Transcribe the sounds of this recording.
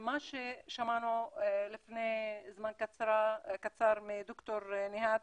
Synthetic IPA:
maːʃeʃamaːnolɪfnezamaːnkat̪sɾakat̪sɑːɾˤmɪd̪ʊkt̪oɾnɪɦaːt̪̚

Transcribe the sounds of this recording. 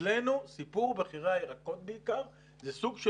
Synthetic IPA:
lenusipuʁbeχiʁajeʁako̞t̪̚beikaʁ | zesuɡʃe

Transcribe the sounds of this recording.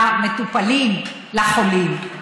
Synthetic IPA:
met̪upalim | laχolim

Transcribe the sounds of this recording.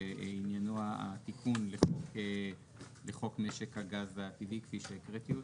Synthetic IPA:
injanoaa̰t̪ikʰunleχok | leχo̞kmeʃekaɡazat̪ivikfiʃeekʁet̪iot

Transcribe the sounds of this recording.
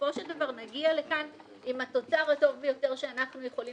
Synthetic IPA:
fo̞ʃeldavaʁnaɡiale̞kan | imato̞t͡saʁato̞vvejo̞te̞ʁʃeanaχnujeχoli

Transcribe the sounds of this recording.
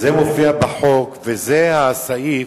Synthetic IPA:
zemofiabaħokvezehasai

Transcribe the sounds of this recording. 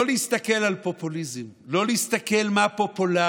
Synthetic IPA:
lehist̪ake̞lalpo̞pulizim | lo̞lehist̪ake̞lmapo̞pola

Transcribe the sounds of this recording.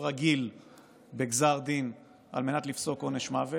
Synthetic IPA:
ʁaɡil | beɡzaʁd̪in | a̰lme̞nat̪lifso̞koneʃmave

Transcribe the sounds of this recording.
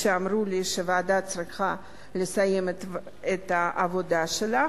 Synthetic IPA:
ʃeamɾuliʃevead̪at͡sɾiχa | lesaje̞met̪ | et̪aʔavod̪aʃela

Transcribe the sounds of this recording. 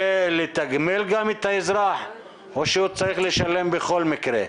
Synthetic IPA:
let̪aɡmelɡamit̪aizɾaħ | oʃeut͡saɾiχleʃalembeχolmikɾe

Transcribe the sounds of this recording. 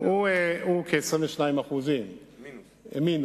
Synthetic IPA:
ueukʰesʁĩveʃnaimaχuzim | ḛmin

